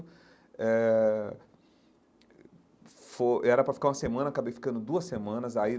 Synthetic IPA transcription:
ɛ | foʔɛɾɐpɾɐfi̥kaɾũmɐsemɐ̃nɐakabejfi̥kɐ̃nd̪ʊd̪uɐsemɐ̃nɐzai

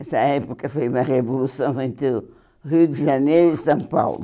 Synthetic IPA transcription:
ɛsɐɛpukɐfojumɐʁevulˠusɐ̃w̃ẽnt̪ɨ | ʁiwd̪ɨʒɐnejɾuisɐ̃w̃pa̰wlˠu

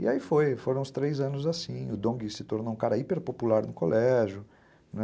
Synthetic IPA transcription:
ɪ̰aifojfoɾɐ̃w̃ʊst̪ɾejzɐ̃nʊzasĩʊd̪õɡɪsɪt̪oɾnowũkaɾɐipeɾpopulaɾnʊkolɛʒʊ | nɛ

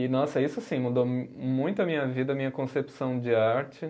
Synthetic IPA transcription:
ɪnɔsɐisʊasĩmud̪omũj̃t̪ʊɐmĩɲɐvid̪ɐmĩɲɐkõsepsɐ̃w̃d͡ʒɪaɾt͡ʃɪ

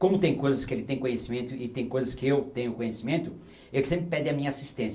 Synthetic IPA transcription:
kõmʊt̪ẽj̃kojzɐskɪelɪt̪ẽj̃kõɲesimẽnt̪ʊɪt̪ẽj̃kojzɐskɪewt̪ẽɲʊkõɲesimẽnt̪ʊ | elɪsẽmpɾɪpɛd̪ɪɐmĩɲɐasist̪ẽsɐ

